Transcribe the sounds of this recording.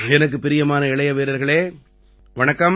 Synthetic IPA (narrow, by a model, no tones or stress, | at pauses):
ɛnɐk̬ːɯpɪɾɪjɐmaːnɐɪɭɐjɐʋeːɾɐɾɣɐɭeː | ʋɐɳɐkːɐm